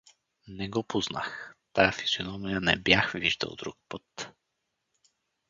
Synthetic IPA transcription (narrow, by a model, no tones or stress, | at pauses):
nɛɡɔpozna̰xt̪ajəfiz̥jonɔmijənɛbjaxviʒd̪ə̰lˠd̪ɾuk̚pɤt̪